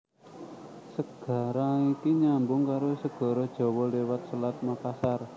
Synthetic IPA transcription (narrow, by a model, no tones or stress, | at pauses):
səɡ̥a̤ɾaikiɲambʊŋkaɾosəɡ̥ɔ̤ɾɔd̥ʒ̥ɔ̤wɔlewat̪̚səlat̪̚mapasar